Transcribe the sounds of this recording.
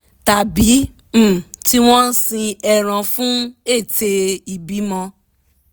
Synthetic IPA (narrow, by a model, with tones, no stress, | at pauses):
ta˨bi˨˦˨ | ti˦w̃ɔ̃˦n̩˦sĩ˧ɛ˧ɾ̃ã˧fũ˦e˦˨te˧i˨bi˨˦mɔ̃˧